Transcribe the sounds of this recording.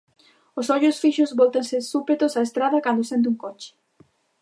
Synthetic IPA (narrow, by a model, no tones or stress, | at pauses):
osɔʎʊsfiʃʊzβɔlt̪ɐ̃nsɪsupet̪ʊsaest̪ɾaðɐkand̪ʊsent̪̬uŋkɔt͡ʃɪ̥